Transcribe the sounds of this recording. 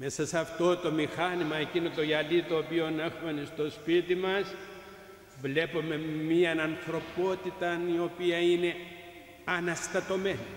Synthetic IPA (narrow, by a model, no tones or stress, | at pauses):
mesasaft̪ot̪omixanimaekinot̪ojalit̪opionexmenist̪ospit̪imas | blepomemiananθɾopot̪it̪aniopiaine | anast̪at̪omen